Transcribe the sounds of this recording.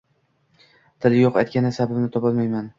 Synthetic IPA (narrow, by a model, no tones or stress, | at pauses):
t̪ʰɪlɪjoqa̰jt̪̚kʲanɪsababnɪt̪ʰɒpɒlˠmajman